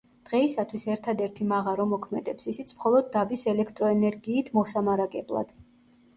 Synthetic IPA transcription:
d̪̥ʁɛisat̪ʰwisɛɾt̪ʰad̪ɛɾt̪ʰimaʁaɾɔmɔkʰmɛd̪ɛpsisit̪sʰmχɔlˠɔd̪ːabisɛlɛkʰt̪ʼɾɔɛnɛɾɡiːt̪ʰmɔsamaɾaɡʼɛblˠa̰d̪̥

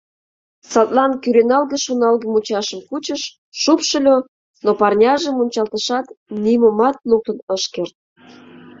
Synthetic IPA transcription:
sɑt̪lɑnkyɾenɑlɣə̆ʃunɑlɣəmut͡ɕɑʃəmkut͡ɕəʃ | ʃupʃə̆lʲo | nopɑrnʲɑʒəmunʲt͡ɕɑlt̪əʃɑt̪niməmɑt̪̚luk̚t̪ənəʃkert̪̚

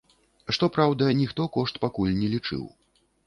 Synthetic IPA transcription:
ʂt̪ɔpɾawd̪ɐnʲixt̪ɔkɔʂt̪pakulʲnʲɛlʲit͡ʂɨ̰w

